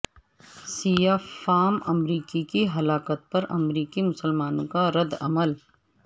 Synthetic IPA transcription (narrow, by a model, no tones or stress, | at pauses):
siːjaːfaːmɐmɾiːkikiɦɐlaːkət̪̚pɐɾɐ̰mɾiːkimʊsəlmaːnõkaɾɐd̪ɐməl